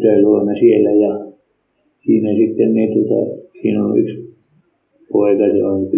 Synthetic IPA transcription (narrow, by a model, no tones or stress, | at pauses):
t̪eluomesielːæjɑ | siːnæsit̪ːenniːt̪uot̪ɑ̰siːnolːṵyks | poikɑsḛoŋky